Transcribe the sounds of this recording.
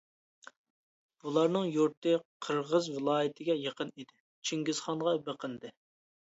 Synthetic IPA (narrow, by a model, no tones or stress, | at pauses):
b̥ulˠɑɾnɨŋjuɾt̪ʰɨqʰəɾʁəzvɪlˠɑːjɪt̪ʰɪɡʲɛjəqʰənid̪ɪ | t͡ʃʰiŋɡʲɪz̥χɑnʁɑbəqʰənd̪ɪ